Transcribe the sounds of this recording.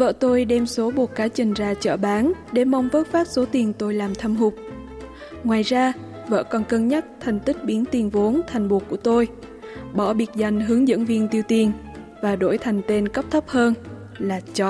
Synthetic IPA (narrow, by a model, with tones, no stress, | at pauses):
və̰ː˧˨t̪o˧jɗɛ˧mso˨˦ɓo˨˩t̚kaː˨˦jt͡ɕï˨˩ŋ̟zaː˧t͡ɕə̰ː˧˩ɓaː˨˦nɗe˧˩ma˧wŋ͡mvəː˦˥t̚faː˦˥t̚so˨˦t̪i˨˩ənt̪o˧jlaː˨˩mt̪ʰə˧mɦʊ˨˩k͡p̚ | ŋwaː˨˩jzaː˧ | və̰ː˧˥˨kɔ˨˩nkə˧nɲa˦˥t̚t̪ʰɛ˨˩ŋ̟t̪ï˦˥k̚ɓi˨˦ənt̪i˨˩ənvo˨˦nt̪ʰa˨˩jŋ̟ɓo˨˩kːu˧˩ət̪o˧j | ɓɔ̰˧˩ɓi˨˩ət̚za˨˩jŋ̟ɦɨ˨˦əŋzə̰˧˥nvi˧ənt̪i˧əwt̪i˧˩ən | vaː˨˩ɗo̰˧˩jt̪ʰa˨˩jŋ̟t̪e˧nkə˦˥p̚t̪ʰə˦˥p̚həː˧n | laː˨˩t͡ɕɔ˧